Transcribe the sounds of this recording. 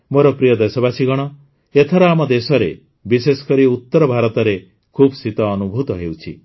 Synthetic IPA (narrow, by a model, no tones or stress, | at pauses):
moɾɔpɾijɔd̪esɔbasiɡɔɽ̃ɔ | et̪ʰɔɾɔamɔd̪esɔɾe | bisesɔ̥kɔɾiut̪ːɔɾɔbʱaɾɔt̪ɔɾe | kʰubɔsit̪ɔːnubʱut̪ɔɦewt͡ʃʰḭ